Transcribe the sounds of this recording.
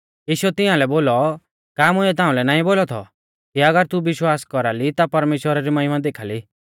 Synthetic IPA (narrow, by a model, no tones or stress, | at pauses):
jiːʃuɛt̪ɪ̃ãlɛboːlɔ | kaːmʊ̃ɛt̪ãːũlɛnaːĩboːlɔt̪ʰɔ̰ | kiɐɡəɾt̪uʋɪʃwaːskɔɾalit̪apɐɾmeːʃwəɾaɾimɐɦɪmãd̪eːkʰaːli